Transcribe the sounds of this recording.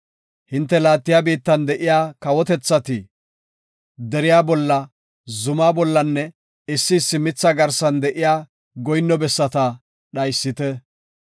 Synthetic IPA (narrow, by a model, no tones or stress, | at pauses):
hɪnt̪ːɛlaːt̪ːɪjaːbiːt̪ːɐnd̪ɛʔɪjaːkɐwɔt̪ɛt͡sːɐt̪ɪ | d̪ɛɾɪjaːbɔlːɐ | zʊmaːbɔlːɐnːɛ | ɪsːɪsːɪmɪt͡sːɐɡɐɾsɐnd̪ɛʔɪjaː | ɡɔjnːɔbɛsːɐt̪ɐ | ɗɐjsːɪt̪ɛ